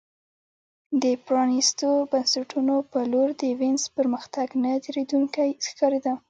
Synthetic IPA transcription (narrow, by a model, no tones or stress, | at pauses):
d̪əpɾɑnist̪obansaʈunopəloɾd̪əwɪnzpəɾməxt̪aɡnad̪ɾed̪uŋkajxkɑɾed̪a